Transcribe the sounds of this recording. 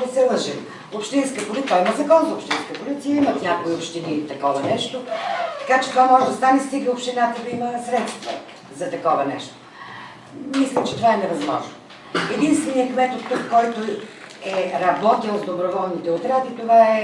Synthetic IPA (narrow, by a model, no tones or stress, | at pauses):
d̪ɐsɛlˠəʒim | opʃt̪inskəpʊlit̪ːaimɐzɐkɔnzɐopʃt̪inskəpolit̪sijəimɐt̪nʲakoiopʃt̪init̪ɐkɔvɐnɛʃt̪ot̪ɐ̥kat͡ʃɛ̥t̪ovamɔʒɛd̪ɐst̪anɛst̪iɡəopʃt̪inat̪əd̪ɐiməsɾɛt̪st̪və̰ | zɐt̪ɐkɔvənɛ̰ʃt̪o̥ | mislʲɛt͡ʃɛt̪ovaɛnɛvɐzmɔ̰ʒnoo | ɛd̪inst̪vɛnijəkmɛt̪ot̪ːukːɔjt̪o | ɛɾɐbɔt̪ilˠzd̪obɾovɔlˠnit̪ɛot̪ɾat̪it̪ovaɛ